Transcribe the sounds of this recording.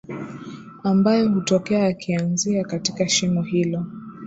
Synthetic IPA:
ambajɔhutɔkɛaːkʰianziakatikaʃimɔɦilɔ

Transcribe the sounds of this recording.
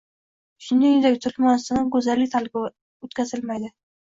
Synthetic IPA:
ʃʊnd̪ajɪd̪akʲt̪ʰʊlmɒnst̪ɪnɪŋɡɵzalːɪk̚ʲt̪ʰalɪbʲ | ot̪kʲʰazɪlmajd̪ɪ

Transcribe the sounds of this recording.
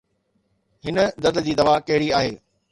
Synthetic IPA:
hɪnə̆d̪ɐd̪d͡ʑiːd̪ɐʋakɐɦɪɽiaːɦeː

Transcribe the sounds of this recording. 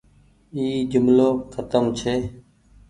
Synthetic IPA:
iːd͡ʒʊmloːkʰət̪əmt͡ʃʰeː

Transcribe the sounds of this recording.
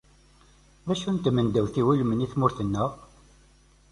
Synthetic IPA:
ðæʃunt̪mənd̪æwθiwulməniθmʊɾθənːæʁ

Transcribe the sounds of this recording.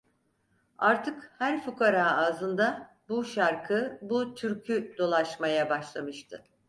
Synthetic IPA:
aɾt̪ʰɯkhæɾfukʰaɾaːaːzɯnd̪a | buʃaɾkʰɯbut̪ʰyɾcʰyd̪̥o̞lˠaʃmajabaʃlˠamɯʃt̪ʰɯ

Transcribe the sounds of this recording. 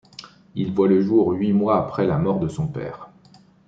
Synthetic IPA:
ilvwaləʒuʁɥimwaːpχɛlamɔʁd̪əsɔ̃pɛ̰ːʁ

